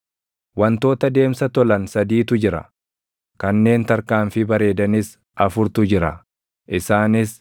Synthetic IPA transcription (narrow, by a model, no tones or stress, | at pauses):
wɐnt̪o̞ːt̪ɐd̪e̞ːmsɐt̪ɔlɐnsɐd̪iːt̪ʊd͡ʒɪɾɐ̰ | kɐnːe̞ːnt̪ɐɾkaːɱfɪbɐɾe̞ːd̪ɐnɪs | ʔɐfʊɾt̪ʊd͡ʒɪɾɐ̰ | ʔɪsaːnɪs